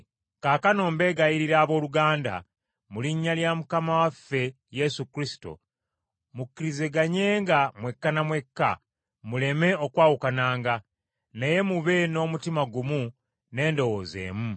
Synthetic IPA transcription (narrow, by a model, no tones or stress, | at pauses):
kaːkano̞ːmbe̞ːɡaiɾiɾaːβo̞ːluɡaːnda̰ | muliɲːaljamukamawafːe̞ | je̞sukɾisi̥to̞̰ | mukːiɾize̞ɡaɲe̞ːŋɡamwe̞kːanamwe̞kːa̰ | mule̞me̞o̞kwaːwukanaːŋɡa | neje̞muβe̞no̞ːmutimaɡumu | ne̞ːndo̞woːze̞̰ːmu